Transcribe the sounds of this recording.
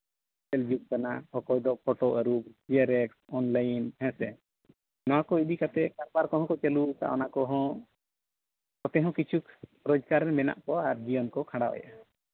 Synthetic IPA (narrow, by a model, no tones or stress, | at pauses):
t͡ʃɛld͡ʒuk̚kanahɔkɔjd̪ɔpʰɔʈɔəɾukiaɾɛksɔnlajnhɛ̃sɛ | nɔwakɔid̪ikat̪ɛkaɾbaɾkɔɦɔ̃kɔt͡ʃɛlut̪a̰ʔɔ̰nakɔɦɔ̃ | kɔt̪ɛɦɔ̃kit͡ʃʰuk | ɾɔd͡ʒɡaɾɛmɛna̰ʔkɔaɾd͡ʒiɔnkɔkʰãɽaɔ̰jʔa